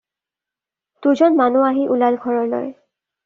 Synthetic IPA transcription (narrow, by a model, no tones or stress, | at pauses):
tuzɔnmanuaɦiʔulalɡʱɔɹɔɹlɔ̰j